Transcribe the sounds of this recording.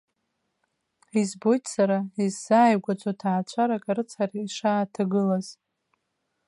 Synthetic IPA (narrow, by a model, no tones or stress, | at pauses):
izbo̞jtʰʼsaɾaizːaːjɡʷat͡sʷʼotʰaːt͡ɕʷʰaɾakʼaɾɨt͡sʰariiʂaːtʰaɡɨlaz̥